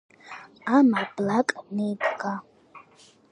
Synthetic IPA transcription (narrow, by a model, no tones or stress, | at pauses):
amablakʼanejpʰʼɡa